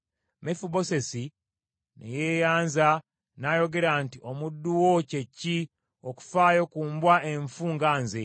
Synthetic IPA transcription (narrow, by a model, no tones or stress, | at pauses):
mefubo̞se̞si | nʔḛjeːjaːnza | najo̞ɡe̞ɾantiʔo̞mudːuwo̞ce̞cːi | o̞ku̥faːjo̞kuːmbwaʔe̞ɱfuŋɡaːnze̞